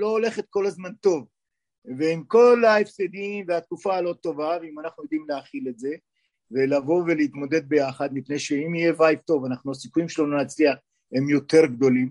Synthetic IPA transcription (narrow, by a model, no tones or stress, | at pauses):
lo̞ole̞χet̪̚ko̞lazmant̪o̞v | veimko̞laefsed̪imveat̪̚kufaːlo̞t̪o̞vaveimanaχnujod̪imleaχile̞tze̞ | ve̞lavo̞ve̞leit̪mo̞d̪e̞d̪̚be̞jaχad̪mipne̞jʃeimije̞vajft̪o̞vanaχnuasikujimʃelononat͡sliaχ | he̞mjo̞t̪e̞ʁɡd̪o̞lim